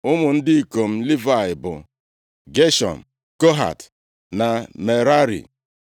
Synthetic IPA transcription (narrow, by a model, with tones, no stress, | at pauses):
ʊ˦mʊ˨n̩˦dɪ˦i˨ko˨m̩˦li˦va˨ɪ˨bʊ̰˨ | ɡe˦ʃɔ̰˨m̩˨ | ko˦ɦa̰˨t | na˨me˨ɾa˦ɾḭ˨